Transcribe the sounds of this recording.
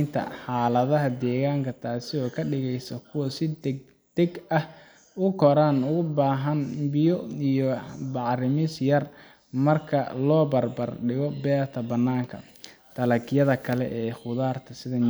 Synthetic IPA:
nt̪ʰɐ̰ħaːlɐðɐɦɐd̪ɛːɣaːŋkʰɐt̪ʰaːsɪɔːkʰɐɖɪɣɛjsɐkʰʊwɐsɪd̪ɛɡ | d̪̥ɛɡɐh | ʊkʰɔɾanʊɣʊbaːɦɐnbɪjɔijɔbɑʕrɪmɪsjɐr | mɐrkʰɐ̰lɔːbɐrbɐrɖɪɣɔbɛːrt̪ʰɐbɐnːaːŋkʰɐ̰ | t̪ʰɐlɐkjɐðɐkʰɐlɛʔɛːχʊðaːrt̪ʰɐsɪðɐ

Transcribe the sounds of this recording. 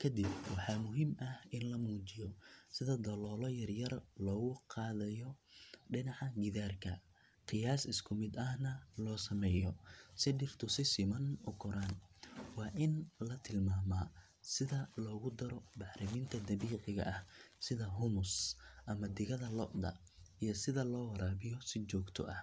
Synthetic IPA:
kʰɐd̪ɪbwɑħɑːmʊɦiːmʔɐhɪnlɐmuːt͡ʃɪjɔsɪðɐd̪ɐlɔːlɔjɐrjɐrlɔːɣʊqʰɑːðɐjɔɖɪnɑʕɑɡɪðaːrkʰɐ̰ | qɪjaːsɪskʰʊmɪd̪ɐhnɐlɔːsɐmɛːjɔsɪɖɪrt̪ʰʊsɪsɪmɐnʊkʰɔɾaːnwɑːʔɪnlɐt̪ʰɪlmaːmɐ | sɪðɐlɔːɣʊd̪ɐɾɔbɑħɾɐmiːnt̪ʰɐd̪ɐβiːʕɪɣɐ̰ʔɐhsɪðɐɦʊmʊsʔɐmɐd̪ɪɣɐðɐlɔʔd̪ɐ̰ | ijɔsɪðɐlɔːwɐɾaːβɪjɔsɪt͡ʃɔːɡt̪ʰɔ̰ʔɐh

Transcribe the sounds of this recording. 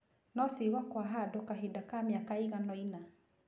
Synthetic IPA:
nɔsiβakwaɦadokaɦidakamjakaiɣanɔina

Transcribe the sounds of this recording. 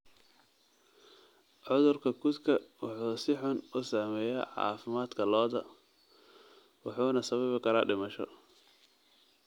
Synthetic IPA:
ʕʊðʊrkʰɐɡʊt̪kʰɐwɑħuːsɪħʊnʊsaːmɛːjɛ̰ʕɑ̰ːfɪmaːd̪kʰɐlɔːðɐ̰ | wɑħuːnɐsɐβɐβɪkʰɐɾa̰ːɖɪmɐʃɔ̰

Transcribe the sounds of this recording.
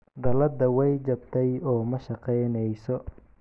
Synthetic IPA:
d̪ɐlɐd̪ɐwɛjt͡ʃɐb̚t̪ʰɛjɔːmɐʃɐqɛjnɛjsɔ

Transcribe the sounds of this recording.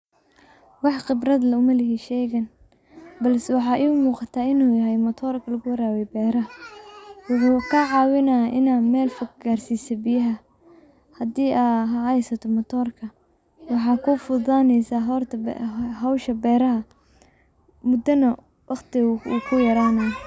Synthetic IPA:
wɑħqɪbrɐd̪lɐʊmɐlɪɦiʃɛːɣɐn | bɐlsɛwɑħɑːʔɛʊmuːqɑt̪ʰaːɪnuːjɐɦɛjmɔt̪ʰɔːrkʰɐlɐɣʊwɐɾaːwɛjbɛːɾɐɦɐ | wʊħuːkʰɐʕɑːwɪnaʔɪnaːmɛːlfɐɡaːrsiːsɐbɪjɐɦɐ | hɐd̪iːʔaɦɑʕɑjsɐt̪ʰɔmɔt̪ʰɔːrkʰɐ | wɑħɑːkʰʊfʊðaːnɛjsaːɦɔrt̪ʰhɐwʃɐbɛːɾɐɦɐ | mʊd̪ɐnɐ | wʔɑqt̪ʰɪukʰʊjɐɾaːnɐ

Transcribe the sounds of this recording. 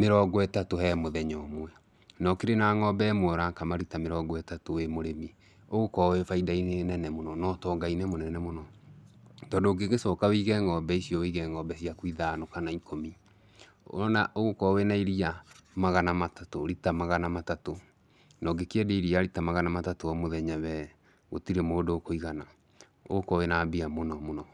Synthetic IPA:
meɾɔɡɔɛtatohɛmoðɛɲɔmwɛ | nɔkeɾenaːŋɔbɛmwɔɾakamaɾitameɾɔɡɔɛtatowemoɾemi | oɣokɔwɛfaidainenɛnɛmonɔnɔtɔɡainɛmonɛnɛmonɔ | tɔːdoɡeɣesɔkawiɣɛŋɔbɛisiɔwiɣɛŋɔːbɛsiakwiðaːnokanaikʰomi | o̰naʔoɣokɔwenaiɾiamaɣanamatatoɾitamaɣanamatato | nɔɡekeɛdeiɾiaɾitamaɣanamatatoɔmoðɛɲɛβɛ | ɣo̰tiɾemoodoːkoiɣana | o̰ɣokɔwenaːbiamonɔmonɔ

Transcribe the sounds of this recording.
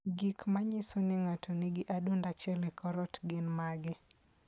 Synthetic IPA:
ɡikmaɲɪsonɪŋatʰonɪɡɪʔadundat͡ʃɛlɛkɔɾɔtɡɪnmaɡɪ

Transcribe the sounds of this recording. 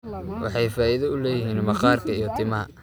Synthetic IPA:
wʔɑ̰ħɑjfaːʔiðɐʊlɛːjɪɦiːnmɑqɑːrkʰɐijɔt̪ʰɪmɐɦɐ̰

